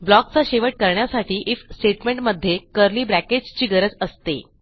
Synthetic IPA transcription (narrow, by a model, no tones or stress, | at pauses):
blɔk̚t͡saɕeʋəʈ̚kəɾɳjasaʈʰiːʔifsʈeʈmeɳʈməd̪ʱjekəɾliːbɾæked͡ʑt͡ɕiːɡəɾəd͡zəst̪ḛ